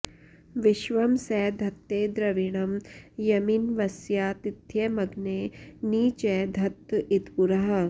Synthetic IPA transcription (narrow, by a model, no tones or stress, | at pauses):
ʋiʃʋɐmsɛːd̪ʱɐt̪ːeːd̪ɾɐʋiɳɐmjɐminʋɐsjaːt̪id̪jemɐɡneːniːt͡ʃed̪ʱɐt̪ːit̪puɾɐɦɐ̆